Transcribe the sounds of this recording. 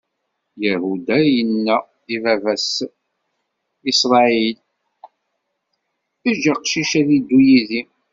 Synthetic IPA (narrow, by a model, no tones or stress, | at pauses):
jæhud̪æjənːæ | iðævæs | isɾˤɑil | θəʒaqʃiʃæðid̪ːujiði